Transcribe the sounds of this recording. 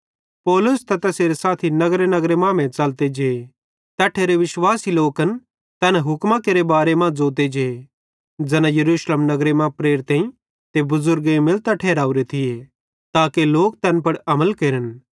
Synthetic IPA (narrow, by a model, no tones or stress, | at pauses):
pɔːlʊst̪ɐt̪ɐseːɾesaːt̪ʰinɐɡɾenɐɡɾemãmɛ̃t͡ʃɐlt̪ed͡ʒee | t̪ɛːʈʰeːɾeʋɪʃwaːsiloːkɐn | t̪ɛːnɦʊkmãkeːɾebaːɾemãd͡zoːt̪̬ed͡ʒee | d͡ʒɛnãjɐɾuːʃləmnɐɡɾemãpɾeːɾt̪ãːĩ | t̪ebʊzʊɾɡemɪlt̪aʈʰeːɾaːuɾet̪ʰɪje | t̪aːkeloːk̚t̪ɛːnpɐɽɐməlkeːɾən